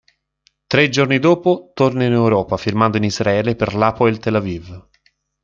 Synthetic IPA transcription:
t̪ɾed͡ʒornid̪oːpot̪ornainewɾɔːpafirmand̪oinizɾaɛːleperlaːpoeilt̪elaviv

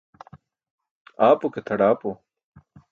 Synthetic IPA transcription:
aːpoket̪ʰɐɽaːpo

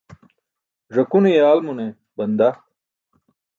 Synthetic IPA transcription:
ʐɐkunijaːlmune | bɐnd̪a

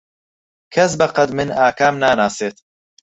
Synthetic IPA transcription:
kʰɐs̬bɐqɐd̪mɨnaːkʰaːmnaːnaːseːt̪

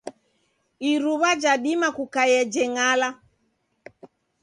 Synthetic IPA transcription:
iɾuβad͡ʒaɗimakukajɛd͡ʒɛŋala

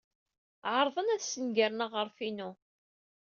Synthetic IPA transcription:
ʕəɾˤðˤənæðsənɡəɾnəʁəɾfinu

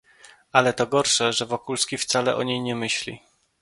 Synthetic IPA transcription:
alɛt̪ɔɡɔɾʂɛʐɛvɔkulskʲift̪salɛʔɔɲejɲɛmɘɕlʲḭ

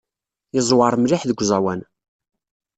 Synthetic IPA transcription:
jəzˤwɑɾˤmliħðəɡʷzˤæwæn

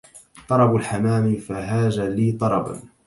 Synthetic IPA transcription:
t̪ˤɑɾˤɑbʊlħamaːmifaɦaːʒaliːt̪ˤɑɾˤɑba̰n

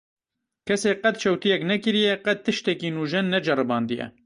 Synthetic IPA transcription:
kʰɛseːqɛt̪̚t͡ʃʰɛwt̪ijɛknɛkɨɾijɛqɛt̪̚ʰːɨʃt̪ɛkiːnuːʒɛnːɛd͡ʒɛrɨbɑːnd̪ɨjɛ̰

